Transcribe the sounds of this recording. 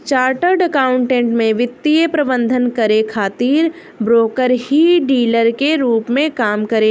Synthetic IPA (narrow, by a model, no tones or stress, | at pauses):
t͡ʃaːɾʈəɾɖɐkaːʊ̃ɳʈẽːɳʈmẽʋɪt̪ːijəpɾɐbə̃nd̪ʱənkɐɾekʰaːt̪iːɾ | bɾoːkəɾhiɖiːləɾkeɾuːpmẽkaːmkɐɾe